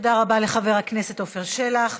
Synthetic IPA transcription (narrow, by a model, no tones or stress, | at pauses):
od̪aʁabale̞χave̞ʁakne̞se̞t̪ofeʁʃelaχ